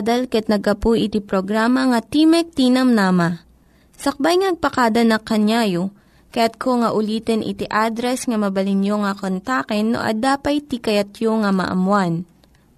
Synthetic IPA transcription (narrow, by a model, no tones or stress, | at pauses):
d̪ɐlkɐɐt̪̚nɐɡ̚ɐpujʔɪt̪ipɾoɡɾaːmɐŋɐt̪imɛk̚t̪iːnɐmnaːmɐ | sɐk̚bajŋanɐɡ̚pɐkad̪ɐnɐkːɐnjajo | kɐjat̪̚kʰoŋɐʔʊliːt̪ɛnʔɪ̰t̪iʔaːd̪ɾɛsŋɐmɐbɐlɪnjoŋɐkont̪akɛnːo̰ʔɐ̰d̪aːpɐjt̪ikɐjɐt̪̚joŋɐmɐ̰ʔɐ̰mwan